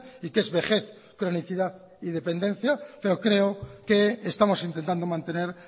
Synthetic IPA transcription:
ike̞zβe̞χe̞θ | kɾo̞niθiðaθ | iðe̞pe̞nd̪ẽ̞n̟θjape̞ɾo̞kɾe̞oke̞ːst̪amo̞sint̪e̞nt̪and̪o̞mãnt̪ene̞ɾ

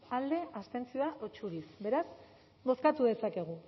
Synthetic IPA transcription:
ald̪e̞ast̪e̞nt͡sioaʔot͡ʃuɾisbe̞ɾaz | bo̞skat̪uðe̞sake̞ɣ̞u

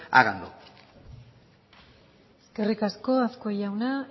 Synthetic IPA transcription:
a̰ɣand̪ṵ | eskerikasko̞asko̞jawna

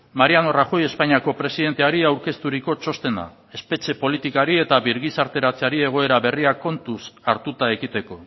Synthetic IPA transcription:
maɾiano̞raxo̞je̞spaɲiako̞pɾe̞siðe̞nt̪e̞aɾiawɾke̞st̪uɾiko̞t͡ʃo̞st̪e̞nd̪a̰ | e̞spe̞t͡ʃe̞po̞lit̪ikaɾie̞t̪aβiɾɣisaɾt̪e̞ɾat͡seaɾie̞ɣ̞o̞e̞ɾaβe̞riako̞nt̪usaɾt̪ut̪ae̞kit̪e̞ko̞

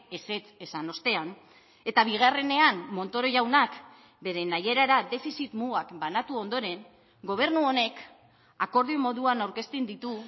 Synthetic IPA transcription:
ese̞t͡se̞sano̞st̪e̞an | e̞t̪aβiɣ̞are̞ne̞anːo̞nt̪o̞ɾo̞ʝawnak | be̞ɾenaje̞ɾaɾad̪e̞fisit̪muɣakbanat̪uo̞nd̪o̞ɾe̞ŋ | ɡo̞β̞e̞ɾnuo̞ne̞k | ako̞ɾðiomo̞ðuanawɾke̞st̪ind̪it̪u

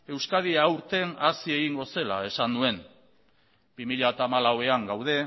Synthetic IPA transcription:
e̞wskað̞iawɾt̪e̞nasie̞ɣiŋɡo̞se̞la̰e̞sandue̞n | bimiʎat̪amalawe̞aŋɡawðe̞

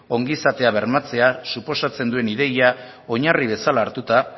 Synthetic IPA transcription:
o̞ŋɡisat̪e̞aβe̞ɾmat͡se̞asupo̞sat͡se̞nd̪ue̞niðe̞ja | o̞ɲariβe̞salaːɾt̪ut̪a

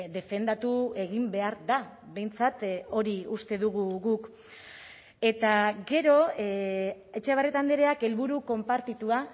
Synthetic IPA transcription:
d̪e̞fe̞nd̪at̪ue̞ɣimbe̞aɾða | βe̞jnt͡sat̪o̞ɾiust̪e̞ðuɣ̞uɣuk | e̞t̪aɡe̞ɾo̞ | e̞t͡ʃeβaret̪and̪eɾe̞ake̞lβuɾuko̞mpaɾt̪it̪ua

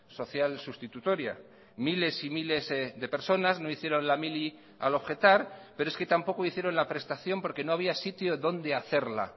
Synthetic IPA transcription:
so̞θjalsust̪it̪ut̪o̞ɾja̰ | mile̞simile̞zðe̞pe̞ɾso̞nazno̞iθje̞ɾo̞nlamili | a̰lo̞βxe̞t̪aɾpe̞ɾoe̞ske̞t̪ampo̞ko̞iθje̞ɾo̞nlapɾe̞st̪aθjo̞mpo̞ɾke̞no̞aβ̞iasit̪jo̞ðo̞nd̪e̞aθe̞ɾla̰

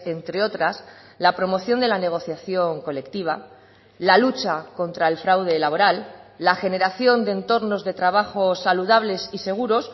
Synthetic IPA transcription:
e̞nt̪ɾe̞o̞t̪ɾas | lapɾo̞mo̞θjo̞nd̪e̞lane̞ɣ̞o̞θjaθjo̞ŋko̞le̞kt̪iβ̞a | lalut͡ʃako̞nt̪ɾae̞lfɾawðe̞laβ̞o̞ɾalːaxe̞ne̞ɾaθjo̞nd̪ent̪o̞ɾno̞zðe̞t̪ɾaβaxo̞saluðaβ̞le̞sise̞ɣ̞uɾo̞s

